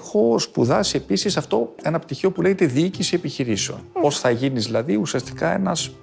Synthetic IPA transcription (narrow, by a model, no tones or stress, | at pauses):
xo̞spuðɐsie̞pisisɐft̪o̞e̞nɐpt̪içiopule̞ʝet̪eðiicisie̞piçiɾiseo̞̰no̞sθɐʝinizðilɐðiusiɐst̪i̥kɐe̞̰nɐs